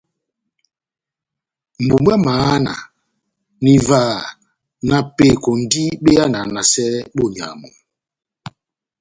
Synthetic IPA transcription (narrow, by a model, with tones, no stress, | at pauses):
m̩˨bu˨mwɛ˦maː˨˦na̰˨ | ni˨vaː˦˨ | na˨pe˦˨kɔ˨n̩˨˦di˦ɓe˦a˦na˨na˨sɛ˦ɓo˦˨ɲ˨a̰˨mɔ̰˨